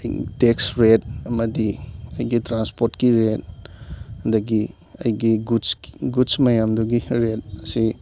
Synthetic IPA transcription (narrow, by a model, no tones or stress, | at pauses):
jteksɾet̚ɐmɐdiɐjɡitɾanspoɾtkiɾet | dɐɡi | ɐ̰jɡiɡusɡusmɐjamduɡiɾet̚ɐsi